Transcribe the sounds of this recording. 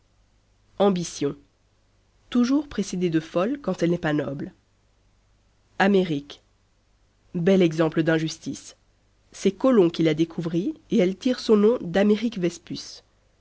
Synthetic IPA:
ɑ̃bisjɔ̃ | t̪uʒuʁpχesed̪ed̪əfɔlkɑ̃t̪ɛlnɛpanɔbl | ameʁik | bɛlɛɡzɑ̃pləd̪ɛ̃ʒyst̪isː | ɛkɔlɔ̃kʲilad̪ekʰuvʁieɛlt̪iʁsɔ̃nɔ̃d̪ameʁikvɛspys

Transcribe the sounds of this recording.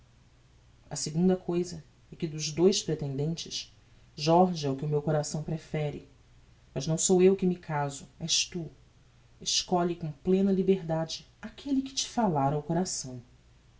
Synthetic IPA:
ɐ̰seɡũnd̪ɐkʰojzɐ | ɛkɪd̪ʊʒd̪ojʃpɾet̪ẽnd̪ẽnt͡ʃɪʃ | ʒɔɾʒɪɛʊkɪʊmewkoɾasɐ̃w̃pɾefɛɾɪ | mɐʒnɐ̃w̃sowewkɪmɪkʰazʊɛʃt̪u | ɪʃkɔʎɪkõplẽnɐlibeɦd̪ad͡ʒɪ | akʰelɪkɪ̥t͡ʃɪ̥falaɾɐʊkoɾasɐ̃w̃

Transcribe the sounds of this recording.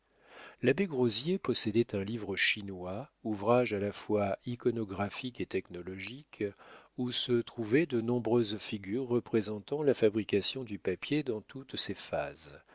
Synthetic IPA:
labeɡʁozjepɔsed̪ɛt̪ɛ̃livʁəʃinwauvʁaʒalafwaikɔnɔɡʁafiket̪ɛknɔlɔʒikusət̪χuvɛd̪ənɔ̃bʁøzfiɡʲyʁːəpχezɑ̃t̪ɑ̃lafabʁikasjɔ̃d̪ypapjed̪ɑ̃t̪ut̪sefa̰z

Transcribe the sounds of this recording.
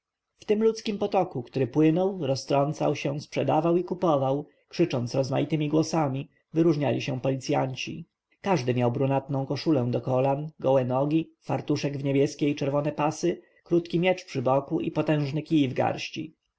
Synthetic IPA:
ft̪ɘmlut̪skʲimpɔt̪ɔkukt̪uɾɘpwɘnɔwɾɔst̪ɾɔnt̪sa̰wɕɛ̃spʂɛd̪avawikupɔvaw | kʂɘt͡ʂɔnt̪sɾɔzma̰jit̪ɘmʲiɡwɔsamʲi | vɘɾuʐɲalʲiɕɛ̃pɔlʲit̪sʲja̰ɲt͡ɕḭ | kaʐd̪ɘmʲjawbɾunat̪nɔ̃w̃kɔʂulɛ̃d̪ɔkɔlanɡɔwɛnɔɡʲifaɾt̪uʂɛɡvɲebʲjɛskʲejt͡ʂɛɾvɔnɛpasɘ | kɾut̪kʲimʲjɛt͡ʂpʂɘbɔkuʔḭpɔt̪ɛ̃w̃ʐnɛkʲijivɡa̰ɾɕt͡ɕḭ

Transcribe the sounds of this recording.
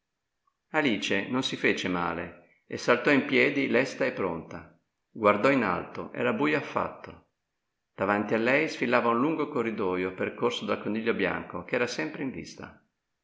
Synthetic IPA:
aliːt͡ʃenonsifeːt͡ʃema̰ːle | esalt̪ɔimpjɛːd̪ilɛst̪aepːɾo̰nt̪a | ɡward̪ɔina̰lt̪o̰ʔɛ̰ːɾabuːjoafːa̰t̪ːo | d̪̥avant̪ialːɛjsfilːaːvaunluŋɡokorːid̪ɔːjoperkorsod̪alkoniʎːobja̰ŋkokeɛːɾasɛmpɾeĩɱvḭst̪a̰

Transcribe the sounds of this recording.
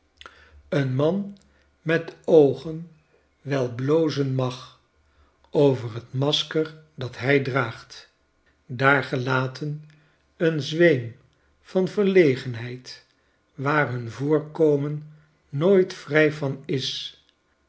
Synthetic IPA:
ənmɑn | mɛtowχən | ʋɛlˠblowzənmɑχ | ʔowvərɦətmɑskəɹ | dɑtɦɛjdraːχt | daːɹχəlaːtʰən | ənzʋejm | v̥ɑnvəɹlejχənɦɛjt | ʋaːɹɦɵnvʊːɹkoːmənː | oːjtfrɛjvɑnɪs

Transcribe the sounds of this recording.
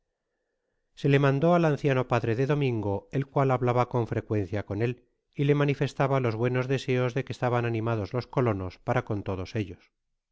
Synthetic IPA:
se̞le̞mãnd̪o̞alanθjano̞paðɾe̞ðe̞ðo̞mĩŋɡo̞e̞lkwalaβlaβako̞ɱfɾe̞kwe̞n̟θjako̞ne̞l | ile̞manife̞st̪aβalo̞zβwe̞no̞zðe̞se̞o̞zðe̞kest̪aβananĩmað̞o̞zlo̞sko̞lo̞no̞spaɾako̞nt̪o̞ð̞o̞se̞ʎo̞s

